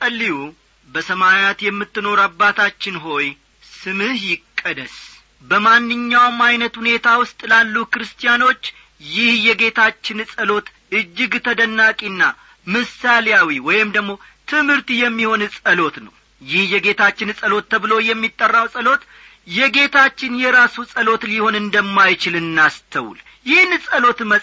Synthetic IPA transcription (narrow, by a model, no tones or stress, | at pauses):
kʼəlːiwu | bəsəmaat̪jɛmːɨt̪ːɨno̞ɾabːat̪ʰat͡ʃːɪnɦo̞j | sɨmɨhjɪkʼːəd̪əs | bəmanːɨɲːawmajnət̪hune̞t̪ʰawʊst̪ʼlalːukɨɾɨst̪ʰijano̞t͡ʃː | jɪhjɛɡe̞t̪ʰat͡ʃːɪnsʼəlo̞t̪ | ɨd͡ʒːɪɡt̪ʰəd̪ənːakʼinːa | mɨsaljawiwɔjɪmd̪əɡmo̞ | t̪ʰɨmhɨɾt̪ijɛmːiho̞nsʼəlo̞t̪nəw | jɪhjɛɡe̞t̪ʰat͡ʃːɪnsʼəlo̞t̪ʰːəβɨlo̞jɛmːit̪ʼːərːawsʼəlo̞t̪ | jɛɡe̞t̪ʰat͡ʃːɪnjɛɾasusʼəlo̞t̪liho̞nɨnd̪əmːajt͡ʃɪlɨnːast̪ʰəwṵl | jɪhnsʼəlo̞t̪mə